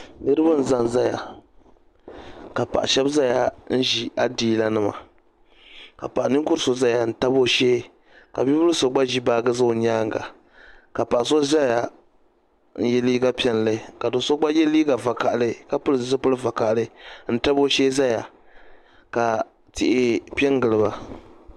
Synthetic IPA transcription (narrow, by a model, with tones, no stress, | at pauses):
nɨ˦ɾɨ˦bɨ˦n̩˨za˦n˨za˦ja̰˨ | ka˨pa̰˨ʔa̰˨ʃɛ˦bza˦ja˨n̩˦ʒi˨a˦˨diː˦la˦nɨ˦ma̰˨ | ka̰˨pa˨ʔnɨ˦ŋ˦kʊ˦ɾso˦za˦ja˨n̩˨ta˦bo˦ʃeː˦ | ka˨bi˦bʊ˦lɨ˦so˨ɡ͡ba˦ʒi˦baː˦ɡɨ˦za˦˨ɲaː˦ŋ˨ɡa̰˨ | ka˨pa˨ʔa˨so˦za˦ja˨ | n̩˦jɛ˦liː˦ɡa˦pi˦ɛ˨n˨lɨ˦˨ka˨do˨so˦ɡ͡ba˦jɛ˦liː˦ɡa˨va˨ka˨ʔlɨ˦ka˦pɨ˦lɨ˨zzɨ˦pɨ˦lɨ˦va˨ka˨ʔlɨ˦n̩˦ta˦bo˦ʃeː˦za˦ja˨ | ka˨ | tɪ̰˨ʔɪ˦pi˦ɛ˦ŋ˦ɡɨ˨lɨ˨ba˨